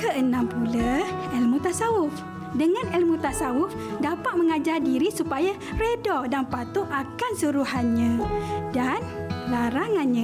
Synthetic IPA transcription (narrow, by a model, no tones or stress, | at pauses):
kəʔənãmpulaɛlmũt̪asaʊf | dəŋãnɛlmũt̪asaʊf | dapat̪̚məŋad͡ʒardiɾisupaja | redɔdanpat̪ʊʔakansuɾuɦanɲãdanlaɾaŋanɲã